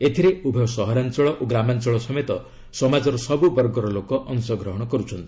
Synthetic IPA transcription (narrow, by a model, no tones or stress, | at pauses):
et̪ʰiɾeubʱɔsɔɦɔɾant͡ʃɔɭɔʔoɡɾamant͡ʃɔɭɔsɔmet̪ɔ | sɔmad͡ʒɔɾɔsɔbubɔɾɡɔɾɔlokɔʔɔnsɔɡɾɔɦɔɽ̃ɔkɔɾut͡ʃʰɔnt̪i